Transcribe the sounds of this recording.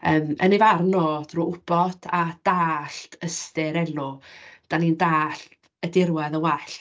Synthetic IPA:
əːmə̰nɪvarnɔːd̥ruːʊb̥ɔdʰad̥aːɬtʰəstɪɾɛlʊd̥anindaːɬt | ədɪrwɛðəwɛɬ

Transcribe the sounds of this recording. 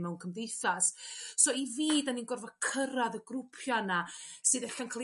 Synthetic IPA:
mɛwnkʰəmdejθassɔiviːdaninɡɔrvɔkʰəɾaðəɡrʊpʰjanasɨːðɛɬankʰalˠ

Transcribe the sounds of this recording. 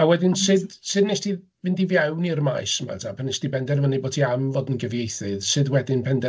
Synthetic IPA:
awɛdɪnsɨdsɨdneʃti | vɨndivjɛwnirma̰jsma̰tʰapʰanɛʃtibɛndɛrmənebɔdʰiamvɔdənɡəvjejθɨðʃɨðwɛdɪnpʰɛndɛ

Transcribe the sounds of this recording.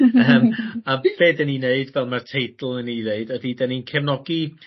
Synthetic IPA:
əːmab̥eːdɛnineɨdvɛlˠmartʰejdl̩ˠənineɨdədidɛninkʰɛmnɔɡi

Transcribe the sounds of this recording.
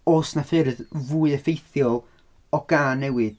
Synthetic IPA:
oːsnafɪɾðvuːɨəfejθjɔlˠ | ɔɡ̥aːnːɛwɨð̥

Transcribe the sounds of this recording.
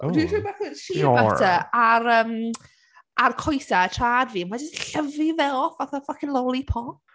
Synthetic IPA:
odiribaθəʃiatʰəaɾəːm | arkʰɔjsaətʰraːdviːəmad͡ʒɪstɬəvɪvɛlˠfaθɔfakʰɪnlˠɔlˠipʰɔ

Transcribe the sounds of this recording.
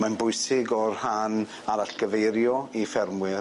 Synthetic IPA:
manbʊɨsɪɡɔrhan | aɾaɬɡ̥əvejɾjɔifɛrmwɪ

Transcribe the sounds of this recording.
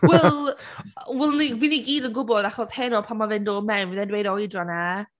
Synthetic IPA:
wɛ | wɛlˠniwiniɡiːdənɡʊbɔdaχɔshɛnɔpʰamavɨndoːdmɛmwiðɛndwejdɔjdrɔna

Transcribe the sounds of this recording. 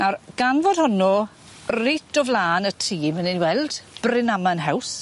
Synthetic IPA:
narɡ̥anvɔd̥hʊnɔ | rɪtʰɔvlˠaːnətʰiːmənɪnwɛlˠd̥b̥rɪnamanɦɛws

